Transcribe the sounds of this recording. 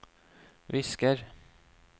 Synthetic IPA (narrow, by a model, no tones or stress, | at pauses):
vɪskəɾ